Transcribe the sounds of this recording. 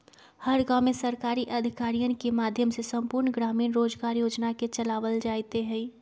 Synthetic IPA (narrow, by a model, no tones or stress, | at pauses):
həɾɡaːmẽsəɾkaːɾiʔɐd̪ʱɪkaːɾijənkemaːd̪ʱjəmsesə̃mpʊɾnɡɾaːmiːnɾoːd͡ʒɡaːɾjoːd͡ʒnaket͡ʃəlaːʋəld͡ʒaːjt̪eɦɛ̃i